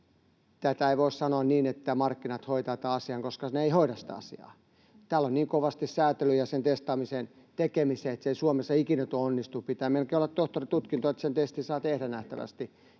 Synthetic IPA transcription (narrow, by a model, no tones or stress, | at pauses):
t̪æt̪æeiʋoissɑnoɑnniːnet̪ːæmɑrkːinɑt̪hoit̪ɑt̪ɑːɑsiɑŋkoskɑneeihoiɾɑssi̥t̪æ̰ɑ̰sḭɑ̰ː | t̪æːlonniːŋkoʋɑst̪issæːt̪elyjɑsent̪est̪ɑːmisen | t̪ekemiseːet̪seisuomesːɑikinæt̪uoonːist̪uppit̪æːmelkeːolːɑt̪t̪oht̪orit̪ut̪kint̪oet̪sent̪est̪isɑːt̪ehdænæht̪æ̰ʋæ̰st̪i